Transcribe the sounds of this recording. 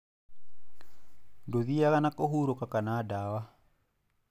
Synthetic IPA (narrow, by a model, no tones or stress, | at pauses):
doðiakanakoɦuɾokakanadawa